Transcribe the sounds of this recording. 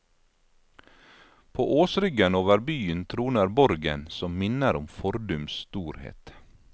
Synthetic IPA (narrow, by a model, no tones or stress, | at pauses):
pʰo̰ːʔoːsɾʏɡənoːʋəɾbyːənt̪ʰɾuːnəɾbɔɾɡə̰nsɔmmɪnəɾʊmfɔɾd̪ʉmst̪uːɾhḛːt̪